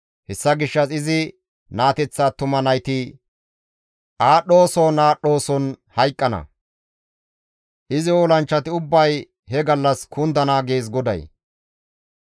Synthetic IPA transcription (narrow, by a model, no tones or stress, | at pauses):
hɛsːɐɡɪʃːɐsɪzɪ | naːt̪ɛt͡sːaːt̪ʊmɐnɐjt̪ɪ | ʔaːɗo̞ːsɔnaːɗo̞ːsɔnhɐjkʼːɐnɐ̰ | ʔɪzɪoːlɐnt͡ʃːɐt̪ɪʊbːɐj | hɛɡɐlːɐskʰʊnd̪ɐnaːɡe̞ːs̬ɡɔd̪ɐ̰j